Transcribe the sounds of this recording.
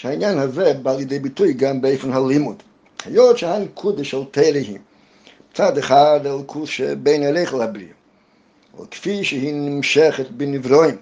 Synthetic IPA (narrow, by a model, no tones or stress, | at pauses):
ʃhainjanhavɛbaːlˠjədeɪbɪtuɪɡanbeɪfɪnhalˠimud | hajɔtʃəhaɪnkʰudəʃɛlˠtʰeɪɾəɦḭm | t͡sadaχaɾdalˠkʰusʃɛ̰beɪnaɾeɪχəl̩ˠhabɾḭ | ɛ̰lˠkfiʃəhinnɪmʃɛχətbɪnɪvɾɔɪm